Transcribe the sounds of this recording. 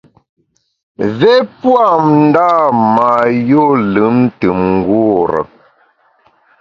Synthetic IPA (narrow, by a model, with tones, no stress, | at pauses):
ve˦pwa˦˨mn̩˦da˦˨ma˨jo˦lɨ˨˦mn̩˦tɨ˨mŋ̩˦ɡwu˦ɾə̰˨